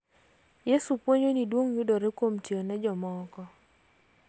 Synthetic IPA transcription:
jesupwoɲonidwoŋjʊdoɾekwomtjeonɛd͡ʒɔmɔkɔ

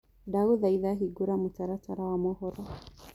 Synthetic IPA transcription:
daɣuðaiðaɦiɡuɾamutaɾataɾawamɔhɔɾɔ

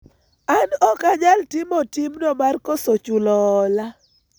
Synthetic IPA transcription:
anɔkaɲaltimɔtimnɔmarkɔsot͡ʃulɔːla

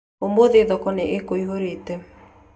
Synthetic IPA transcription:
omboðeðɔkɔneʔekoiɦoɾetɛ

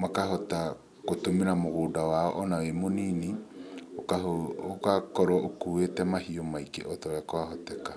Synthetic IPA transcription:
makahɔta | kotomeɾamoɣoːdawaɔʔɔnawemoniːniokaookakɔɾwɔʔokuwetɛmahiomaikḛʔɔtɔɾakoaɦɔtɛka

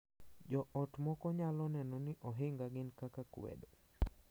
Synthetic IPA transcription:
d͡ʒɔʔɔtmɔkɔɲalɔnɛnɔnɪʔɔɦɪŋɡaɡɪnkakakwḛdo

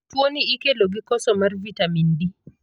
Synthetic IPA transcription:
uwoniʔikɛloɡikɔsɔmaɾvitamindi

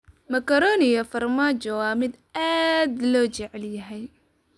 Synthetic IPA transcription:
mɐkɐɾɔːnɪjɐfɐrmaːd͡ʒɔwaːmɪd̪aːd̪lɔːt͡ʃɪʕɛljɐɦɛj

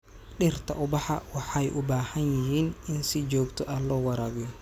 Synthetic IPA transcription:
ɗɪrt̪ʰɐʔʊbɑħɑwɑħɑjʔʊbaːhɐnjɪɦiːnɪnsɪt͡ʃɔːɡt̪ʰɔʔaːlɔːwɑɾaːɣɪjɔ

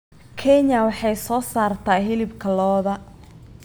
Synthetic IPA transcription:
kʰɛɲɐwɑħɑjsɔːsaːrt̪ʰaːɦɪlɪbkʰɐlɔːðɐ

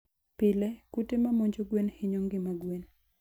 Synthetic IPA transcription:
pɪlɛkutemamoɲd͡ʒoɡwenhɪɲoŋɡɪmaɡwen

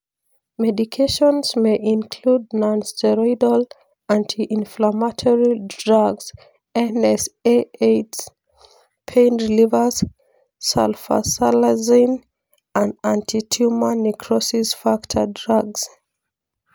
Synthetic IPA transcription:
mɛdikʰeʃɔ̃nzmeʔĩnkʰlud̚nãnstʰɛɹɔidəl | ãntʰiʔĩnflamatʰɔɹidɹaɡz̥ | ɛnɛseets | pʰẽnɹilivəz | sɛ̰lfa̰salazĩn | ə̃ndãntʰitʰumanikʰɹɔsisfaktʰədɹaɡz̥

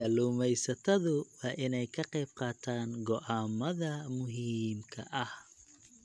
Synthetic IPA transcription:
aluːmɛjsɐt̪ʰɐðʊwɑːʔɪnɛjkʰɐqɛjb̚qɑːt̪ʰaːŋɡɔʔaːmɐðɐmʊɦiːmkʰɐ̰ʔɐh

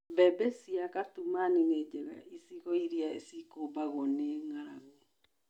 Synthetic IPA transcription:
βɛbɛsiakatumanined͡ʒɛɣa̰ʔisiɣɔiɾiaisikobaɣɔneŋaɾaɣo

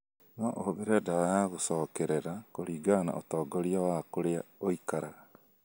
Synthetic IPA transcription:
nɔʔoðeɾɛdaajaɣosɔːkɛɾeɾakoɾiːɡana̰ʔotɔːɡɔɾiawakoɾeaoikaɾaɣa

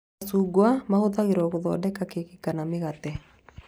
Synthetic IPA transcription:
suɡwamahʊðaɣɪɾɔkɔðɔ̰dɛkakekɪkanamɪɣat̪ɛ

